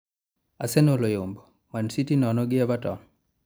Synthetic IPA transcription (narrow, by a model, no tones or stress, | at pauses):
asɛnolojombo | mansitinɔnɔɡɪabatɔn